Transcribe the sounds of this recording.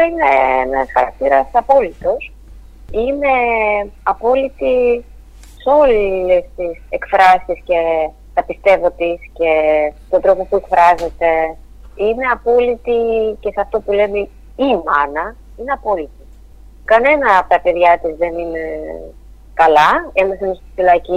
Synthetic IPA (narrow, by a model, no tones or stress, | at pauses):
ineenɐsxɐɾɐk̚t̪iɾɐsɐpo̞lit̪o̞s | ine̞ɐpo̞lit̪i | seo̞lest̪isekfɾɐsisce̞ | t̪ɐpist̪e̞vo̞t̪isce̞t̪ond̪ɾo̞po̞pue̞kfɾɐze̞t̪e̞ | ine̞ɐpo̞lit̪ice̞sɐft̪o̞pule̞me | imɐnɐ | ine̞ɐpo̞lit̪i | kɐne̞nɐːpt̪ɐpe̞ðʝɐt̪izðe̞nine | kɐlɐemɐθɐnst̪i̥filɐci